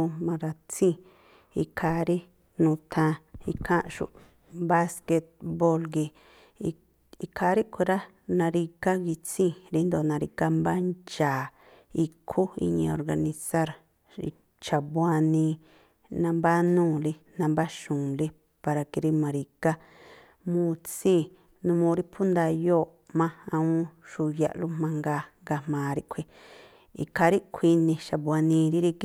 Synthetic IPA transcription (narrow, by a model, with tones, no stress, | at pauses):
u˧mã˧ɾa˧t͡sĩ˦ | i˧kʰa˧ɾi˦ | nũ˧t̪ʰã˧i˧kʰã˦ʔʃṵ˨ʔ | ba˦ske˧t̪̚bo˧lɡi˧ | i˧kʰa˧ɾi˦kʰʷe˧ɾa˦ | nã˧ɾi˧ka˦ɣi˧t͡sĩ˦ɾi˧˦nd̪o˧˨nã˧ɾi˧ka˦mba˦nt͡ʃaː˨ | i˧kʰu˦ḭ˧ɲḭ̃˧o̰˧ɾɡa˧nĩ˧sa˦ɾ | ḭ˧ | t͡ʃa˨bwa˧nĩ˧ | nã˧mba˦nũː˦˨li˧ | nã˧mba˦ʃũ˨li˦ | pa˧ɾa˧ki˧ɾi˦mã˨˧ɾi˧ka˦ | mũ˧t͡sĩ˦˨ | nũ˧mõ˧ɾi˦pʰu˦nd̪a˧joː˦˨ | mã˦ã˧ũ˦ʃu˧ja̰˧˨ʔlu˦mã˧ŋɡa˧ŋɡa˧mmãː˨ɾi˧ʔkʷʰi˧ | ḭ˧kʰa˧ɾi˦kʷʰi˧nĩ˧ʃa˨βa˧nĩ˧ɾi˦ɾi˧k